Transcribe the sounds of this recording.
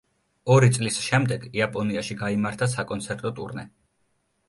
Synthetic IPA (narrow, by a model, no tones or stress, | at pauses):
ɔɾit̪sʼlisʃɛmd̪ɛɡiapʼɔniaʃiɡaimaɾt̪ʰas̬akʼɔnt̪sʰɛɾt̪ʼɔt̪ʼṵɾnɛ